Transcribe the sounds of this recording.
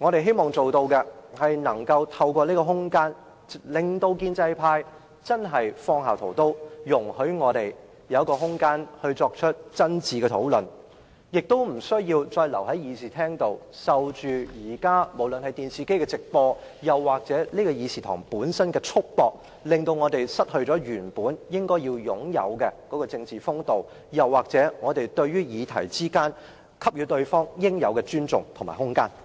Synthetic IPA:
ŋɔː˨˧ɾe˨jɦe˥jmɔː˨ŋt͡so˨wt̪o˧wkɛ˧hɐ˨jnɐ˨˩ŋkɐ˧wt̪ʰɐ˧wkʷɔː˧niː˥kɔː˧ɦʊ˥ŋkaː˥n | lɪ˨ŋt̪o˧wkiː˧nt͡sɐ˧jpʰaː˧j | t͡sɐ˥nɦɐ˨jfɔː˧ŋhaː˨wt̪ʰo˨˩wt̪o˥wjʊ˨˩ŋhɵ˨˥ɥŋɔː˨˧t̪e˨˩j | jɐ˨˧wkɔː˧ɦʊ˥ŋkaː˥nhɵ˧t͡sɔː˧k̚t͡ʃʰɵ˥t̚t͡sɐ˥nt͡siː˨˩kɛ˧t̪ʰo̰˨˥wlɵ˨n | jɪ˨k̚t̪o˥wm̩˨˩sɵ˥ɥjiː˧wt͡ʃɔː˧jlɐ̰˨˩wɦɐ˨˥jiː˨˧siː˨˩t̪ʰɛː˥ŋt̪o˨w | sɐ˨wt͡ʃyː˨˧jiː˨˩kaː˥mo˨˩wlə˨nhɐ˨jt̪iː˨nsiː˨˧ke˥jkɛ˧t͡sɪ˨k̚pɔː˧jɐ˨wːaː˨k̚t͡sɛː˨˥liː˥kɔː˧jiː˨˧siː˨t̪ʰɔ̰ː˨˩ŋpuː˨˥nsɐ˥nkɛː˧t͡sʰʊ˥k̚pɔː˨˧k̚ | lɪ˨ŋt̪o˧wŋɔː˨˧t̪e˨jsɐ˥t̚hɵ˧ɥt͡sɔː˨˥ɥyː˨˩npuː˨˥njɪ˥ŋkɔː˥jiː˧wjʊ˨˥ŋjɐ̰˨˧wkɛ˧kɔː˨˥kɔː˧t͡sɪ˧ŋt͡siː˨fʊ˥ŋt̪o˨w | jɐ˨wːaː˨k̚t͡sɛː˨˥ŋɔː˨˧t̪e˨jt̪ɵ˧ɥyː˥jiː˨˧t̪ʰɐ˨˩jt͡siː˥kaː˥n | kʰɐ˥p̚jyː˨˧t̪ɵ˧ɥfɔː˥ŋjɪ˥ŋjɐ˨˧wkɛ˧t͡ʃyː˥nt͡sʊ˨ŋt̪ʰŋma̰ː˨˩hʊ˥ŋkaː˥n

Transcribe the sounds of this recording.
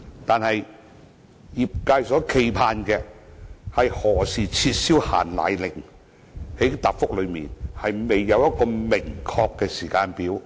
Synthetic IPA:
t̪aː˨nhɐ˨j | jiː˨p̚kaː˧jsɔː˨˥kʰe˨˧jpʰaː˧nkɛ˧hɐ˨jhɔː˨˩siː˨t͡sʰiː˧t̚siː˥wha̰ː˨˩nla̰ː˨˧jlɪ˨˩ŋ | he˨˥jt̪aː˨p̚fʊ˥k̚lɵ˨˧ɥmiː˨nhɐ˨jme˨jːɐ˨˧wjɐ˥t̚kɔː˧mɪ˨˩ŋkʰɔː˧kːɛː˧siː˨˩kaː˧npiː˨˥w

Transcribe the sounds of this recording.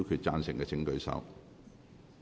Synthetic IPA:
wkʰyː˧t̚t͡sa̰ː˧nsɪ˨˩ŋkɛː˧t͡sʰɪ˧˥ŋkɵ˧ɥsɐ̰˧˥w

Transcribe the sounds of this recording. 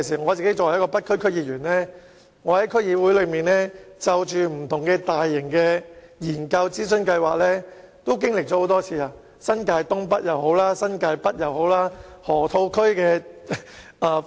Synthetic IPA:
siː˨˩ŋɔː˨˧t͡si˨ke˥jt͡sɔː˨wjkɔː˧pɐ˥t̚kʰɵ˥ɥkʰɵ˥ɥjiː˧˩jyː˨˩nlɛː˥ | ŋɔː˨˧hɐ˨˦˥jkʰɵ˥ɥjiː˧wuː˨˥jlɵ˨˧ɥmiː˨nlɛː˥t͡sɐ˨wt͡ʃyː˨m̩˨˩t̪ʰʊ˨˩ŋkɛː˧t̪aː˨jːɪ˨˩ŋkɛː˧jiː˨˩nkɐ˧wt͡siː˥s̬ɵ˥nkɐ˧jwaː˨k̚lɛː˥ | t̪o˥wkɪ˥ŋlɪ˨k̚t͡ʃɔː˨˥ho˨˧wt̪ɔː˥t͡sʰiː˨˧aː˧ | sɐ˥nkaː˧jt̪ʊ˥ŋpɐ˥t̚jɐ˨who˨˥wlaː˥sɐ˥nkaː˧jpɐ˥t̚jɐ˨who˨˥wlaː˥hɔː˨˩t̪ʰo˧wkʰɵ˥ɥkɛː˧ | a˧

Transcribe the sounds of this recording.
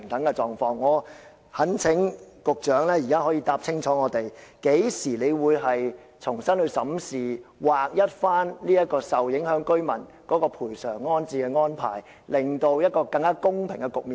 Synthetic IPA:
ŋt̪ʰɐ˨˥ŋkɛ˧t͡sɔː˨ŋfɔː˧ŋːɔː˨˧ | hɐ˨˥nt͡sʰɪ˨˥ŋkʊ˨k̚t͡ʃœː˨˥ŋlɛː˥jiː˨kaː˥hɔː˨˥jiː˧t̪aː˧p̚t͡sʰɪ˥ŋt͡sʰɔː˨˥ŋɔː˨˧t̪e˨jke˨˥jsiː˨˩le˨˧jwuː˨˧jɦɐ˨j | t͡sʰʊ˨˩ŋsɐ˥nhɵ˧ɥsɐ˨˥msiː˨waː˨k̚jɐ˥t̚faː˥nliː˥jɐ˥t̚kːɔː˧sɐ˨wjɪ˨˥ŋhœː˨˥ŋkɵ˥ɥmɐ˨˩n | kɔː˨˥kɔː˧pʰuː˨˩jsœː˨˩ŋːɔː˥nt͡siː˧kɛ˧ŋɔː˥npʰa̰ː˨˩j | lɪ˨ŋt̪o˧wjɐ˥t̚kɔː˧kɐ˧ŋkaː˥kʊ˥ŋpʰɪ˨˩ŋkɛ˧kʊ˨k̚miː˨

